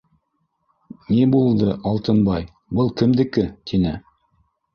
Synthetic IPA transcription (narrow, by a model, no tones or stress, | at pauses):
nebulˠd̪ɤʔɑlˠt̪ɤnbɑj | bɤlˠkɘ̆md̪ɘ̆kɘt̪ʰinɘ